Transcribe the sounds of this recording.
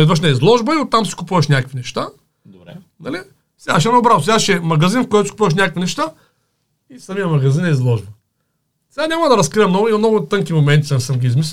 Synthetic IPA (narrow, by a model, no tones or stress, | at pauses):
id̪vɐʃ̬nɛizlˠɔʒbəiʊt̪ːamsi̥kʊpuvɐʃnʲakəkvinɛʃt̪a | d̪obɾɛ | nɐli | sɛɡaʃ̬ɛmnoʊbɾavʊsɛɡaʃɛmɐɡɐzinfkoɔt̪ʊsikʊ̥puvɐʃ̬nʲakəkvinɛʃt̪a | isɐmijəmɐɡɐzinɛizlˠɔʒbɐ | sɛɡanʲamɐd̪ɐɾɐskɾiɛmnɔɡʊimɐmnɔɡʊt̪ɤŋkimomɛnt̪issəmɡʲiizmis̬